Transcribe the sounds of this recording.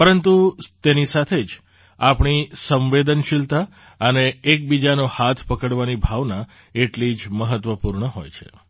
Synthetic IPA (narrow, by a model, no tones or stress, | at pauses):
pəɾənt̪ut̪enisat̪ʰed͡ʒ | apɳ̃isə̃mʋed̪ənʃilt̪a | əneːk̚bid͡ʒanohat̪ʰpəkəɽʋanibʱaʋna | eʈlid͡ʒməɦət̪ʋəpuɾɳəɦojt͡ʃʰḛ